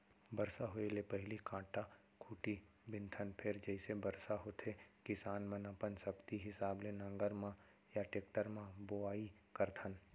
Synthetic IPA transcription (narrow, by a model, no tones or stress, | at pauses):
bɐɾsaɦoelepɐɦɪlikãːʈa | kʰuːʈi | bɪ̃nt̪ʰənpʰɪɾd͡ʒɛɪsebɐɾsaɦot̪ʰekɪsaːnmɐ̃napənsɐbt̪iɦɪsaːblenɐ̃ŋɡəɾmã | jaʈeːk̚ʈəɾmãboaːi | kɐɾt̪ʰən